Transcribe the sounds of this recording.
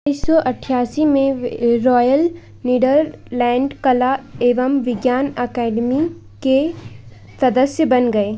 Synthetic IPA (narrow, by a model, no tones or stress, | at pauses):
isɔʔɐʈʰjaːsimẽɾɔːjəl | niːɖəɾlɛ̃ːɳɖkɐlaeːʋəmʋɪɡjaːnɐkɛːɖmi | ke | sɐd̪əsjəbɐnɡɐeː